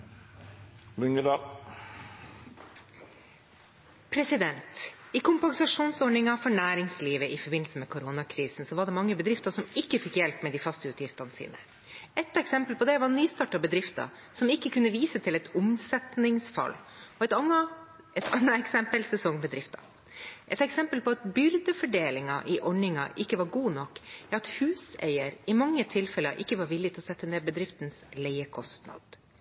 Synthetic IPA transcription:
mʉŋəd̪ɑl | pʰɾɛsɪd̪ɛnt̪ɪkʰʊmpɑŋsɑʂuːnsɔɳɪŋɑfɔɳæːɾɪŋsliːʋəʔɪfɔɾbɪnl̩səmeːkʰʊɾoːnɑkʰɾiːsn̩sɔʋɑɖɛmɑŋːəbəd̪ɾɪft̪əsɔmɪkːəfɪkjɛlpmɛːd̪iːfɑst̪əʉːt̪ʰjɪft̪ɑnəsḭːnə̰ | ɛt̪ːɛksɛmpəlpʰɔd̪ɛʋɑɾnyːst̪ɑːʈɑbəd̪ɾɪft̪ɑ̰ | sɔmɪkːəkʰʉnːəʋiːsət̪ʰɪlɛt̪ʰʊmsɛt̪nɪŋsfɑ̰lːɔɛt̪ɑɑ | ɛt̪ɑnːəɛksɛmpəlsɛsɔŋbəd̪ɾɪft̪ɑ̰ | ʔɛt̪ɛksɛmpəlpɔɑt̪bʏɾd̪əfɔɖeːlɪŋɑ̰ʔɪʔɔɳɪŋɑ̰ʔɪkːəʋɑɾɡuːnɔkːɾɑt̪hʉːsḛɪəɾɪmɑŋːət̪ʰɪlfɛləʔɪkːəʋɑɾʋɪlːɪɡt̪ɪlɔsɛt̪ːəneːbəd̪ɾɪft̪ənslɛɪəkʰɔst̪nɑ̰d̪̥

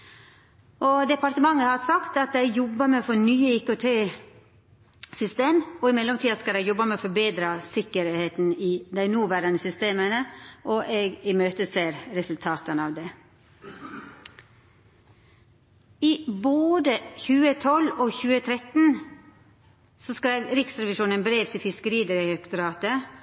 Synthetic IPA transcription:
ʔɔd̪ɛpɑɾt̪əmɑŋːəhɑɾsɑkt̪ɑt̪̚d̪æɪjɔbːəmefɔnyːəɪkʊt̪ʰeː | sʏst̪eːmɔɪmɛlːɔmt̪iːɑskɑld̪æɪjɔbːəmɛɔfɔɾbeːd̪ɾɑsɪkːəɾheːt̪nɪd̪æɪnuːʋæɾɑnəsʏst̪eːmənəʔɔʔeːɡɪmøːt̪əseːɾɾɛsʉlt̪ʰɑːt̪ənɑːʋd̪ɛ | ɪboːd̪əçʉːət̪ʰɔlːɔçʉːət̪ʰɾɛt̪n̩ | sɔskɾæɪʋɾɪksɾɛʋɪʂuːnənbɾeːʋt̪ʰɪlfɪskəɾiːd̪əɾəɛkt̪ɔɾɑːt̪ə

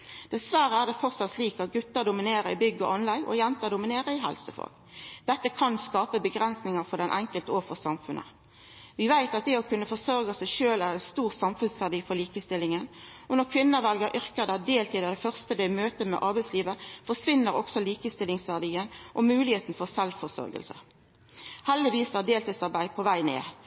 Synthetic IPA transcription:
d̪̥ɛsʋæɾəæːʁd̪ɛfɔʁsɑt̪liːkɑt̪̚ɡʉt̪ːəʁd̪ʊmɪneːɾəɪ̰bʏɡːəɔ̰ɑnlæɪʔɔ̰jɛnt̪ɑːd̪ʊmɪneːɾəɪɦɛ̰lsəfɔ̰lɡ̥ | d̪̥ɛt̪ːəkʰɑnskɑːpəbəɡʁɛnsnɪŋɑʁfɔd̪ɛnʔɛŋkəlt̪əoːfɔsɑmfʉnʔə̰ | ʋɪʋæɪt̪ɑt̪̚d̪ɛɔkʰʉnːəfɔsœʁɡɑsæɪʃøːlæʁɛɪnst̪uːʁsɑmfʉnsʋæʁd̪iːfɔʁliːkəst̪ɪlːɪŋən | ɔnɔʁkʰʋɪnːəʋɛlɡəɾʔʏʁkəʁd̪ɛd̪eːlt̪iːd̪ɑd̪ɛfœʁst̪əd̪ɛmøːt̪əmɛ̰ʔɑʁbæɪsliːʋəfɔʁʂʋɪnːəɾɔ̰ksɔliːkəst̪ɪlɪŋsʋæʁd̪iːənʔɔmʉːlɪheːt̪n̩fɔʁsɛlʋfɔʁsœ̰ɾɡə̰lsə̰ | hɛld̪ɪʋiːsəəd̪eːlt̪iːd̪sɑʁbæɪpʰɔʋæɪnḛː

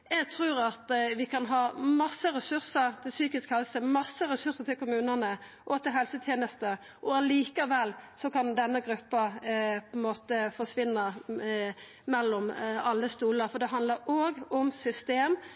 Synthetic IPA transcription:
jɛɡt̪ʰɾʉːɾɑt̪ʋɪkʰɑnɦɑːmɑsːəɾɛsʉɾsəɾt̪ʰɪlsyːkɪskhɛlsəmɑsːəɾɛsʉɾsət̪ʰɪlkʊmʉːnənə | ʔɔt̪ɪlɦɛlsət̪ʰjeːnəst̪ə | ʔɔɑliːkəʋɛlːsɔkɑnd̪ɛnːəɡɾʉpːɑpʰɔɛnmoːt̪əfɔʂʋɪnːə | mɛlːɔmɑlːəst̪uːləɾfɔd̪ɛɦɑnd̪ləɾoːɡɔmsʏst̪eːm

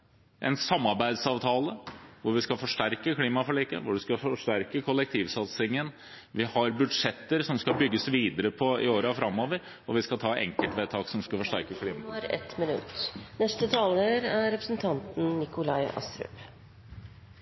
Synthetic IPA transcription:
ʔɛ̰nsɑmːɑɾbæɪd̪sɑːʋt̪ʰɑːləʋʊɾʋɪskɑfɔʂʈæɾkəkʰliːmɑfɔɭiːkə̰ʋʊɖʉskɑfɔʂʈæɾkəkʰɔlɛk̚t̪ʰiːʋsɑt̪sɪŋən | ʋɪhɑɾbʉd̪ʂɛt̪ːəɾsɔmskɑbʏɡːəsʋiːd̪əɾəpʰɔɪoːɾfɾɑmoːʋəɾ | ɔʋɪskɑt̪ʰɑːʔɛ̰ŋkəlt̪ʋeːt̪ʰɑːksɔmskɑfɔʂʈæɾkəkʰliːmɑfɾɛ̰t̪mɪnʉ̰t̪nɛst̪ət̪ʰɑːləɾæɾɾɛpɾəsnt̪ʰɑnt̪n̩nɪkʊlɑɪɑ̰st̪ɾʉ̰p

